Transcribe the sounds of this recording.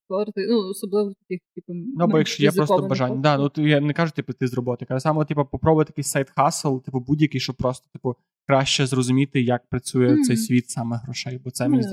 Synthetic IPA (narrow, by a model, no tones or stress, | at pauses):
ɔɾt̪ɪnuɔsɔblˠɪʋɔt̪ɐkʲɪxʲipɐnuɐbɔjɐkʃt͡ʃɔjɛpɾɔst̪ɔbɐʒanʲːɐd̪ɑnut̪ɪjanɛkɑʒʊt̪ʲipt̪ɪzrɔbɔt̪ɪjkɐlˠɛsɑmɔtʲipɐpɔpɾɔbʊjt̪ʲjɐkɪjsajt̪xɑsɪlˠt̪ɪpʊbudʲjɐkɪjʃt͡ʃɔb̚pɾɔst̪ɔ̥t̪ɪ̥pʊ | kɾɑʃt͡ʃɛzrɔzʊmʲit̪ɪjɐk̚pɾɐt͡sʲujɛt̪sɛjsʲʋʲit̪sɑmɛɦɾɔʃɛjbɔt̪sɛmi